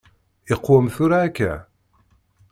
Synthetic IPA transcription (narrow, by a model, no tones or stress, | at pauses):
ɪqːwəmθuɾaːkːæ̰